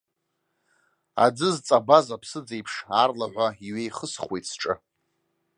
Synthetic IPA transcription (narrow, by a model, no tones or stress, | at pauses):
a̰d͡zɨzt͡sʼabazapʰsɨd͡zejpʰʂarlaʕʷaiɥejχəsχwejtt͡sʰʈ͡ʂʼɨ̰